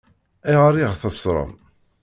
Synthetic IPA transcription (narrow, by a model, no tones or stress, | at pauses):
iʁɾiʁθəsɾˤə̰m